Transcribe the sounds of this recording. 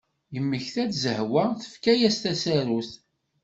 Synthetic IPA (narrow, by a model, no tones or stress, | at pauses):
jəmːəçθæt͡szəhwæθə̥fkæjæst̪æsæɾuθ